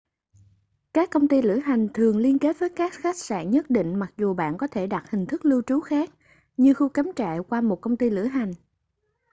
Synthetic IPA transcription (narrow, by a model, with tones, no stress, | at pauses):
kaː˦˥kːə˧wŋ͡mt̪i˧lɨ̰˧˩əɦa˨˩jŋ̟t̪ʰɨ˨˩əŋli˧ənke˦˥t̚vəː˨˦jkaː˦˥t̚xa˦˥k̚sa̰ː˧˩nɲə˦˥t̚ɗḭ˧˨ŋ̟ma˨˩k̚zu˨˩ɓa̰ː˧˨nkɔ˨˦t̪ʰe˧˩ɗa˨˩t̚hï˨˩ŋ̟t̪ʰɨ˦˥k̚lɨ˧wt͡ɕu˨˦xaː˦˥k̚ | ɲɨ˧xu˧ka˨˦mt͡ɕa̰ː˧˨kwaː˧mo˨˩t̚kə˧wŋ͡mt̪i˧lɨ̰˧˩əɦa˨˩jŋ̟